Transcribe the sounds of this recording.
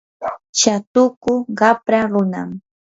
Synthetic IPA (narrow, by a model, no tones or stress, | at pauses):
t͡ʃat̪ʊkʊɢɑpɾaɾʊna̰m